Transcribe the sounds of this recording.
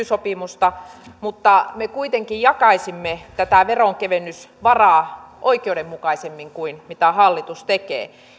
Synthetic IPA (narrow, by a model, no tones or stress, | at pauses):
ysopimust̪ɑmut̪ːɑmekuit̪eŋkijjɑkɑisimːet̪æt̪æˑʋeroŋkeʋenːysʋɑrɑːʔoikeudemmukɑisemːiŋkuinmit̪æhɑlːit̪ust̪ekḛː